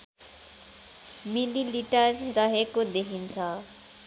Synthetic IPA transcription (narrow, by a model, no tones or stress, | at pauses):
mililiʈʌrːʌɦekod̪ekʰint͡sʰʌ